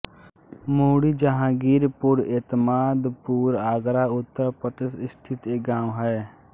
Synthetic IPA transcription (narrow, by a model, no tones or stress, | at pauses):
moːɽid͡ʒaɦãːɡiːɾpʊɾeːt̪əmaːd̪puːɾaːɡɾaːʊt̪ːəɾpɾət̪ɪsɪst̪ʰɪt̪eːɡãːwɦɛː